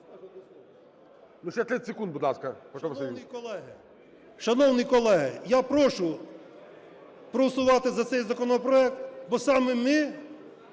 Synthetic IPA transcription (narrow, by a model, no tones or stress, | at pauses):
nuʃt͡ʃɛt̪ɾɪsʲekund̪bʊd̪lˠɑskɐpɔjkɔlˠɛɦɪ | ʃɐnɔwnɪjkɔlˠɛɦɪ̰japɾɔʃʊ | pɾɔsʊʋɑt̪ɪzɐt̪sɛjzɐkɔnɔpɾɔɛkt̪bɔsɑmɛmɪ